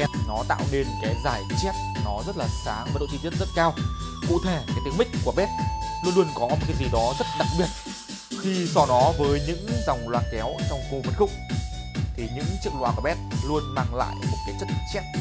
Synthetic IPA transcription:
ɛ˧nɔ˨˦t̪a̰ː˧˨wne˧nkaː˨˦jzaː˧˩jt͡ɕɛ˦˥t̚nɔ˨˦zə˦˥t̚laː˨˩saː˨˦ŋvaː˨˩ɗo̰˧˨t̪ʰi˧˩i˦˥n̚zə˦˥t̚kaː˧w | kṵ˧˨t̪ʰe˧˩kaː˨˦jt̪i˨ə˦mï˦˥k̟ku˧˩əɓɛ˦˥t̚lu˧nlu˧ənkɔ˨˦mo˨˩t̚kaː˨˦jzi˨˩ɗɔ˨˦zə˦˥t̚ɗa˨˩k̚ɓi˨˩ət̚ | t̪ʰi˨˩sɔ˧˩nɔ˨˦vəː˨˦jɲɨ̰˧˥ŋza˨˩wŋ͡mlwaː˨˩nkɛ˨˦wt͡ɕɔ˧wŋ͡mko˧və˨˩t̚xʊ̰˧˨ŋ͡m̚ | t̪ʰi˨˩ɲɨ̰˧˥ŋt͡ɕɨ˦˥ək̚lwaː˨˩kɓɛ˦˥t̚lu˧ənmaː˧ŋla̰ː˧˨jmo˨˩t̚kaː˨˦jt͡ɕə˦˥t̚t͡ɕɛ˦˥t̚

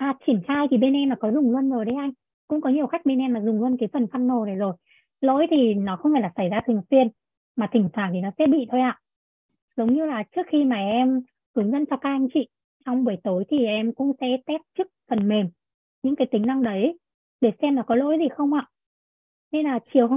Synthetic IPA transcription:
ʔaː˨˧˩t͡ɕi˧˩ənxaː˧jt̪ʰi˨˩ɓe˧nʔɛ˧mːaː˨˩kɔ˨˦zʊ˨˩ŋ͡mlu˧ənzo˨˩jɗə˨˦jʔa˧jŋ̟ | kʊ̰˧˥ŋ͡mkɔ˨˦ɲi˨˩əwxa˦˥jk̚ɓe˧nʔɛ˧mːaː˨˩zʊ˨˩ŋ͡mlu˧ənkaː˨˦jfə˨˩nfa˧nːo˨˩ne˨˩zo˨˩j | lo̰˧˥jt̪ʰi˨˩nɔ˨˦xə˧wŋ͡mhe˧˩laː˨˩sa˧˩jzaː˧t̪ʰɨ˨˩ə˨˩fwi˧ən | maː˨˩t̪ʰï˧˩ŋ̟t̪ʰwaː˧˩nt̪ʰi˨˩nɔ˨˦sɛ̰˧˥ɓḭ˧˨t̪ʰo˧jʔa̰ː˧˨ʔ | zə˨˦wŋ͡mɲɨ˧laː˨˩t͡ɕɨ˦˥ək̚xi˧maː˨˩ʔɛ˧m | hɨ˨˦əŋzə̰˧˥nt͡ɕɔ˧kaː˦˥k̚ʔa˧jŋ̟t͡ɕḭ˧˨ | t͡ɕɔ˧wŋ͡mɓu˧˩jt̪o˨˦jt̪ʰi˨˩ʔɛ˧mkʊ̰˧˥ŋ͡msɛ̰˧˥t̪ɛ˦˥p̚t͡ɕɨ˦˥k̚fə˨˩nme˨˩m | ɲɨ̰˧˥ŋkaː˨˦jt̪ï˨˦ŋ̟na˧ŋɗə˨˦j | ɗe˧˩sɛ˧mna˨˩kɔ˨˦lo̰˧˥jzi˨˩xə˧wŋ͡mʔa̰ː˧˨ | ne˧nlaː˨˩t͡ɕi˨˩əwɦ

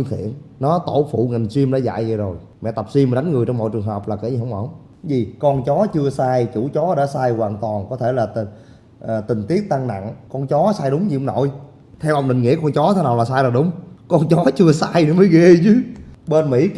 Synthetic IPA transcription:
ɨ˧ŋt̪ʰḭ˧˨ənnɔ˨˦t̪o˧˩fṵ˧˨ŋa˨˩ŋ̟swi˧əmɗa̰˧˥˦za̰ː˧˨jza˨˩zo˨˩j | mɛ̰˧˨t̪ə˨˩p̚swi˧mːa˨˩ɗa˨˦jŋ̟ŋɨ˨˩əjt͡ɕɔ˧wŋ͡mmɔ̰˧˨jt͡ɕɨ˨˩ŋɦə˨˩p̚laː˨˩ka˧˦zi˨˩ɦə˧wŋ͡mŋ͡m | zi˨˩kɔ˧nt͡ɕɔ˨˦t͡ɕɨ˧əsaː˧jt͡ɕu˧˩t͡ɕɔ˨˦ɗa̰ː˧˥saː˧jɣwaː˨˩nt̪wa˨˩nkɔ˨˦t̪ʰe˧˩laː˨˩˨ | ʔt̪ï˨˩ŋ̟t̪i˦˥ək̚t̪a˧ŋna̰˧˨ŋkɔ˧nt͡ɕɔ˨˦saː˧jɗʊ˨˦ŋ͡mɲi˧hə˧wŋ͡mno̰˧˨j | t̪ʰɛ˧wʔə˧wŋ͡mɗï˨ŋ̟ŋḭ˧˥əkɔ˧nt͡ɕɔ˨˦t̪ʰa˨˧˦na˨˩laː˨˩saː˧jlaː˨˩ɗʊ˨˦ŋ͡mkɔ˧nt͡ɕɔ˨˦t͡ɕɨ˧əsaː˧jnɨ˨˦məː˨˦jɣe˧t͡ɕɨ˨˦ɓe˧nmḭ˧˥

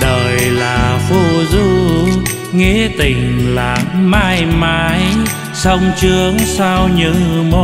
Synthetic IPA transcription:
ɗəː˨˩jlaː˨˩fu˧˩zu˧ | ŋi˧˥t̪ï˨˩ŋ̟la̰ː˧˨nmaː˧jmaː˨˦j | sə˧wŋ͡mt͡ɕɨ˨˦əŋsa˧wɲɨ̰˧˥ŋmo˧˩

